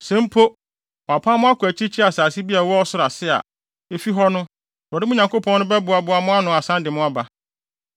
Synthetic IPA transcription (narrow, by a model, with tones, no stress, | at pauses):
sɛ̃˨˦m˦pʰo˦ | ɔ˨a˨pʰã˦mʊ̃˦a˦kʰʊ˨æ˨t͡ɕʰi˦t͡ɕʰi˦a˨saː˨si˦bi˦a˨wɔ˦ɔ˦sʊ˦ɾa˨sɪ˦a̰˨ | e˦fi˦ɦɔ˦nʊ̃˦ | ɾɔ˨dɪ˦mʊ̃˦ɲã˨ŋko˦pʰɔ̃˦nːʊ̃˦bɛ˦bʊ˨a˨bʊ˨a˦mʊ̃˦a˦nʊ̃˦a˨sã˦ndɪ˨mʊ̃˦a˦ba˨